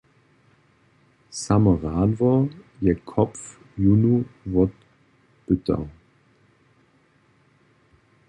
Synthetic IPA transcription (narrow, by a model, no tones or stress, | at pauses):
saməʁaːdvɔɐjɛkʰɔpf | junuvɔt | b̥ʏtʰɐ̰